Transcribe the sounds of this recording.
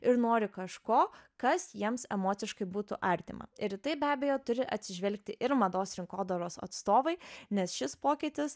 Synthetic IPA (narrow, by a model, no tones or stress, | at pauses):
ɪɾnoːɾʲɪkɐʃkoːkɐsjiɛmsɛmoːt̪sʲɪʃkɐɪbuːt̪ʊ̰ʔɐɾʲt̪ʲɪ̰mɐ̰ɪɾɪt̪ɐɪbʲæːbʲejoːt̪ʊɾʲɪʔɐt̪ʲsʲɪʒʲʋʲɛlʲk̚t̪ʲɪʔɪɾmɐd̪oːsɾʲɪŋkoːd̪oːɾoːsɐ̰t̪st̪oːʋɐɪnʲɛsʃʲɪspoːkʲɪːt̪ʲɪs